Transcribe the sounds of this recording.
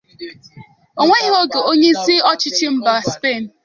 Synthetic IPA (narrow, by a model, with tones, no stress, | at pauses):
o˨ŋʷe˦i˦ɦo˦ɡe˨o˦ɲe˦i˦si˦ɔ˦t͡ʃɪ˦t͡ʃɪ˦m̩˦ba˨spe˦˨n̩˨